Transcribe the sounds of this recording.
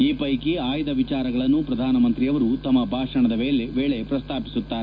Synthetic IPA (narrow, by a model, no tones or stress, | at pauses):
iːpɐjkeaːjd̪ɐʋit͡ʃaːɾɐɡɐɭɐnːupɾɐd̪ʱaːnɐmɐnt̪ɾijɐʋɐɾut̪ɐmːɐbʱaːʂɐɳɐd̪ɐʋeːɭeʋeːɭe̞pɾɐst̪ʰaːpi̥sut̪ːaːɾe